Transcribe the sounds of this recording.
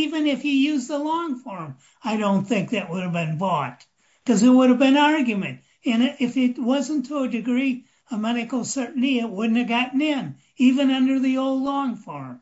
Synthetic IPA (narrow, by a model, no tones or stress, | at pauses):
ivɨ̃nɨfjɨjʉzðəlɔ̃ŋfɔɹm | aɪɾõʊ̃nθɪ̃ŋk̚ðɨʔ̚wʊɾɨvbɨ̃nbɔt̚ | kʰʌzɨt̚wʊɾɨvbɨ̃nɑɹɡjɨmɨ̃nt | ɨ̃nɪfɪt̚wʌzɨ̃ntʰəədɨɡɹi | əmɛɾɨkl̩ˠsɜ˞ʔn̩tiɪt̚wʊdⁿn̩tɨvɡɑʔn̩ɪ̃n | ivɨ̃nʌ̃ndə˞ðioʊlˠdˡlɔ̃ŋfɔɹm